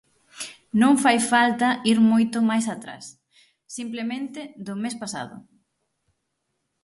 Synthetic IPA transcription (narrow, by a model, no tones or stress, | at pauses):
nõŋfajfalt̪ɐiɾmojt̪ʊmajsat̪ɾa̰sː | implemẽnt̪ɪðʊmespasa̰ðʊ̰